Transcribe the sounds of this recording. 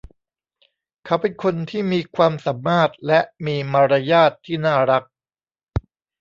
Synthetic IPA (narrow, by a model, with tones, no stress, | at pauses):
kʰa˧˥˩wpe˧nkʰo˧nt̪ʰiː˥˩miː˧kʰwaː˧msa˩˦mːaː˥˩t̪̚lɛ˦˥ʔmiː˧maː˧ɾa˧jaː˥˩t̪ʰːiː˥˩naː˥˩ɾa˦˥k̚